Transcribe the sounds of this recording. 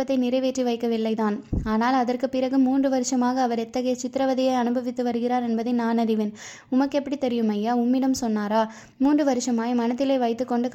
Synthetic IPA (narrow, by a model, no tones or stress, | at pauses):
ɐt̪ːɐɪnɪɾɐɪʋeːʈriʋɐɪkːɐʋɪlːɐɪt̪aːnaːnaːlɐðɐrkɯpɪɾɐɣɯmːuːndrɯʋɐɾɯʂɐmaːɣɐːʋɐɾɛt̪ːɐɣɐjɐt͡ʃɪt̪ːɪɾɐʋɐðɪjɐɪɐnɯbɐʋɪt̪ːɯʋɐɾɯɣɪɾaːɾɛnbɐðɐɪnaːnɐɾɪʋɪn | ʊmɐkːɛpːɐɽit̪ɛɾɪjɯmɐjːaːʊmːɪɽɐmsɔnːaːɾaː | muːndrɯʋɐɾɯʂɐmaːjmɐnɐt̪ːɪlɐɪʋɐɪt̪ːɯkːɔɳɖɯk